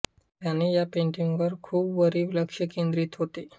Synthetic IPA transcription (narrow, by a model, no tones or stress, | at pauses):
t̪janːijapẽɳʈiŋɡʋəɾkʰuːbʋəɾiːʋləkʂəkẽnd̪ɾiːt̪ɦot̪e